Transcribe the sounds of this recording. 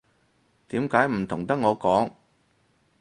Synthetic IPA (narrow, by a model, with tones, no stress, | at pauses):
t̪iː˨˥mkaː˨˥jm̩˨˩t̪ʰʊ˨˩ŋt̪ɐ˥k̚ŋɔː˨˧kɔː˨˥ŋ